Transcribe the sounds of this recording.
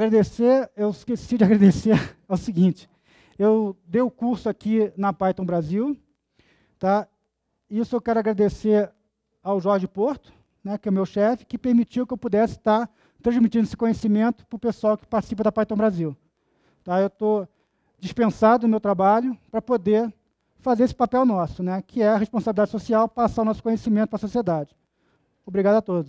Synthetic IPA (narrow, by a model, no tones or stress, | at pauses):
aɡɾad̪eseɾewɪʃkesiɐd͡ʒɪaɡɾad̪eseɾawsiɡĩt͡ʃɪ̥ | ewd̪ejʊkuɾsʊakinɐpajt̪õw̃bɾaziw | t̪a | isʊewkɛɾʊaɡɾad̪eseɾ | awʒɔɾʒɪpoɾt̪ʊ̥ | nɛkɪɛwmewʃɛfɪ̥kɪpeɾmit͡ʃiwkɪewpud̪ɛsɪ̥t̪aɾ | t̪ɾɐ̃zmit͡ʃĩd̪eɪsɪkõɲesimẽnt̪ʊ̥pɾʊpesuawkɪ̥paɾt͡ʃɪ̥sipɐd̪ɐpajt̪ɐ̃w̃bɾaziw | t̪aewt̪o | d͡ʒiʃpẽsad̪ʊnʊmewt̪ɾabaʎʊpɾɐpod̪eɾ | fazeɾesɪ̥papɛwnɔsʊnɛkʰɪɛɐɦeʃpõsabilid̪ad͡ʒɪsosiawpasaɐwnɔsʊkõɲesimẽt̪ʊpɾɐsosied̪ad͡ʒɪ | obɾiɡad̪ʊat̪od̪ʊʃ